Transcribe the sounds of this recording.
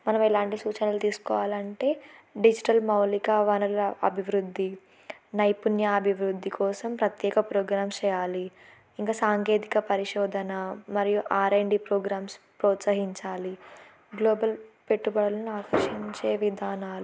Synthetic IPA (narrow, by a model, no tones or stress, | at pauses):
mɐnɐmɛlaːɳʈisuːt͡ʃɐnɐlut̪iːsu̥kɔːʋaːlɐɳʈe̞ːɖid͡ʒiʈɐlmɐwlikɐʋɐnɐlɐ̰bʱiʋɾud̪ʱːi | nɐjpunjɐːbʱiʋɾud̪ʱːikʰɔːsɐmpɾɐt̪jɛːkɐpɾɔːɡɾaːmst͡ʃɛːjaːli | iŋkaːsaːŋke̞ːt̪i̥kɐpɐɾiʂɔːd̪ʱɐnɐmɐɾijuʔaːɾɐjɳɖipɾoːɡɾaːms | pɾɔːt̪sɐɦiɲt͡ʃaːli | ɡloːbɐlpe̞ʈːubɐɽɐlɐnuaːkɐʂiɲt͡ʃe̞ːʋid̪ʱaːnaːlu